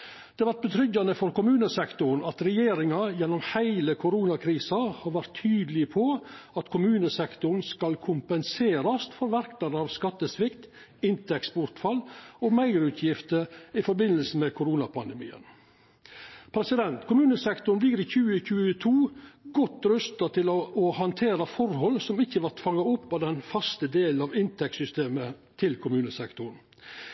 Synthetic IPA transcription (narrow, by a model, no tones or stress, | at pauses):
d̪̥ɛːʋæɾʈ̪̚bət̪ʰɾʏɟːɑnəfɔɾkʊmʉːnəsɛkt̪ʊɾɳ̩ɑt̪ɾɛjeːɾɪŋɑjɛnːɔmhæɪləkʰʊɾuːnɑkʰɾiːsɑhɑɾʋæɾt̪ʰːyːd̪lɪpʰɔɑt̪kʰʊmʉːnəsɛkt̪ʊɳ̩skɑlkʰʊmpənseːɾɑst̪fɔɾʋæɾkt̪ɑnəɑːʋskɑt̪ːəsʋɪkt̪ | ɪnt̪ɛksbʊɾʈ̪fɑlːɔmæɪɾʉːt̪ʰjɪft̪əɪfɔɾbɪnːəlsəmɛkʰʊɾuːnɑpʰɑnd̪ɛmḭːə̰n | pʰɾɛsɪd̪ɛnt̪kʰʊmʉːnəsɛkt̪ʊɳʋiːɾɪçʉːəçʉːət̪ʰuːɡɔt̪ːɾʉst̪ɑt̪ʰɪlɔɔhɑnt̪ʰeːɾɑfɔɾhɔlːsɔmɪçːəʋɑʈ̪fɑŋːɑɔpːɑd̪ɛnfɑst̪əd̪eːl̩ɑʋɪnt̪ʰɛksʏst̪eːmət̪ʰɪlkʰʊmʉːnəsɛkt̪ʊɾɳ̩